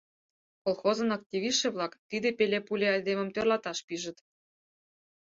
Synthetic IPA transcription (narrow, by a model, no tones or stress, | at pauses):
kolˠxozɤ̆nɑk̚t̪ʲiβʲiʃĕβlˠɑkt̪id̪epelʲepulʲeɑd̪emə̆mt̪ørlɑt̪ɑʃpiʒə̆t̪